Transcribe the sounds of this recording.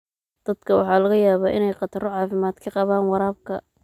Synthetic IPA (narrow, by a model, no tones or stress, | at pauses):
d̪̥ɐd̪̥kʰɐwɑ̰ħɑːlɐɣɐjaːβaːʔɪnɛjqɑt̪ʰɐrɔʕɑːfɪmaːd̪kʰɐqɑβaːnwɑɾaːb̚kʰɐ